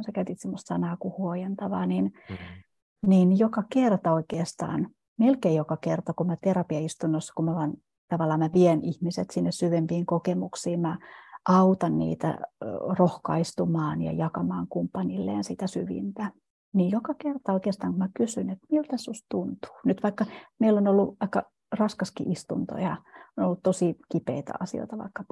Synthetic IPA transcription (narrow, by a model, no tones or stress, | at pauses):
sekæyt̪iːt̪semːost̪sɑnɑːkuhuojent̪ɑʋɑ̰ːnin | ninjokɑkert̪ɑoikeːst̪ɑ̰ːn | melkeːjjokɑkert̪ɑkumæt̪erɑpiɑist̪unːosːɑ̥kummæʋɑn | t̪ɑʋɑlːɑːmmæʋienihmiset̪sinːessyʋempiːŋkokemuksiːmmæʔɑut̪ɑnnḭːt̪æ̰rohkɑist̪umɑːnjɑ̰jɑkɑmɑːŋkumpːɑnilːḛːnsit̪æsyʋḭnt̪æ | niːjjokɑkert̪ɑoikeːst̪ɑːŋkumækysynet̪miult̪æsːust̪unt̪u̥ːnyt̪ʋɑikːɑmeilːonolːuɑikːɑ | rɑskɑskḭʔist̪unt̪o̰jɑonolːut̪t̪osikipḛit̪æ̰ɑ̰sio̰it̪ɑʋɑ̰ikːɑ